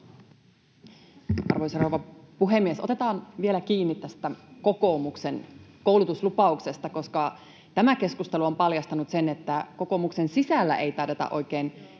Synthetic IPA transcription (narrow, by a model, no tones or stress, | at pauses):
ɑ̰rʋojsɑrowʋɑpuɦe̞mːiesot̪e̞t̪ɑːnʋie̞lækiːnːit̪t̪æst̪æko̞ko̞ːmukse̞nko̞wlut̪uslupɑukse̞st̪ɑko̞skɑ | t̪æmæke̞skust̪e̞luo̞mpɑljɑst̪ɑnut̪se̞ne̞t̪ːæko̞koːmukse̞nsisælːæ̰ʔe̞jt̪ɑret̪ɑ̰ʔo̞̰jk̟eːn